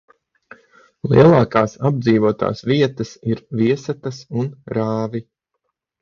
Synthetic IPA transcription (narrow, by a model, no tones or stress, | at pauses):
lˠḭɛlˠɑːkaːsab̚d̪ziːvuɔt̪a̰ːsviɛt̪ɐsiɾviɛsat̪asunɾaːvi